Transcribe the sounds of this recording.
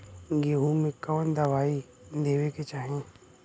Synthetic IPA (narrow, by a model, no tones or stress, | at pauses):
ɡeɦumẽkɔːnd̪ɐʋaːi | d̪eːweket͡ʃaːɦẽː